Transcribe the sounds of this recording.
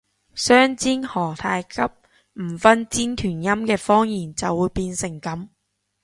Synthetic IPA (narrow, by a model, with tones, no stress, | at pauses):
sœː˥ŋt͡siː˥nhɔː˨˩t̪ʰaː˧jkʰɐ˥p̚ | m̩˨˩fɐ˥nt͡siː˥nt̪ʰyː˨˩njɐ˥mkɛː˧fɔː˥ŋjiː˨˩nt͡sɐ˨wːuː˨˧jpiː˧nsɪ˨˩ŋkɐ˨˥m